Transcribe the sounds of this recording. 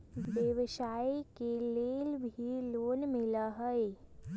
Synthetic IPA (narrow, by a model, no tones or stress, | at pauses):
beʋʃaːikeleːlbʱiloːnmɪlaɦɛe